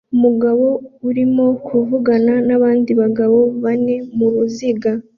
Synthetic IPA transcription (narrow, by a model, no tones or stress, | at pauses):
umuɡaβo̞uɾimo̞kʰuvuɡananaβaːndiβaɡaβo̞βane̞muɾuziɡa